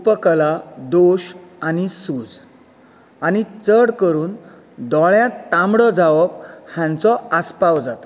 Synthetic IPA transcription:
upəklad̪oɕanisuːd͡z | añit͡səɽkəɾuːn | d̪ɔɭjãt̪ãmɽɔd͡zaʋəphjãnt͡sɔəspawd͡zat̪ɔ̥

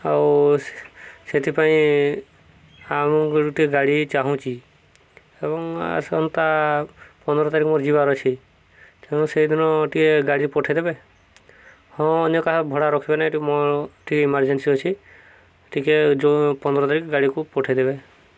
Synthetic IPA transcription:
aw | set̪ʰipaĩ | amkʈikeɡaɽit͡ʃaɦũt͡ʃʰi | ebɔŋa̰sɔ̰nt̪a | pɔnd̪ɔɾɔt̪aɾikɔmɔɾd͡ʒibaɾɔt͡ʃʰi | t̪eɽ̃ũsejd̪ʱinɔʈʰikeɡaɽipɔʈʰed̪ebe | hɔ̃ːnɔkaɦabʱɔɽaɾɔkʰibenãʈimɔʈʰikeimaɾd͡ʒensiɔt͡ʃʰi | ʈʰiked͡ʒopɔnd̪ɔɾɔt̪aɾikɔɡaɽikupɔʈʰed̪ebe

